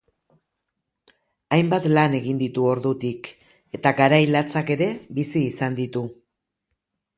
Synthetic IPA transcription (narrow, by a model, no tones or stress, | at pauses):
ajmbat̪lane̞ɣind̪it̪uo̞ɾðut̪ik | e̞t̪aɡaɾajlat͡sake̞ɾe̞bisiːsand̪it̪u